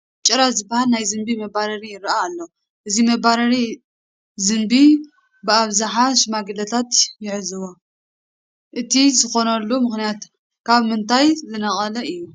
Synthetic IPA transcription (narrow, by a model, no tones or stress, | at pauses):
t͡ʃʼɨɾazɨbːahalnajzɨmbimɐbaɾɐɾijɪɾʔaːlːo | ʔɨzimɐbaɾɐɾi | zɨnbi | bɨaβzaħaʃɨmaɡɨlɐt̪ʰat̪jɪʕɨzɨwo | ʔɨt̪ʰizɨxo̞nɐlːumɨxnijat̪ | kʰaβmɨnt̪ʰajzɨnɐχʼɐlɐɨjːu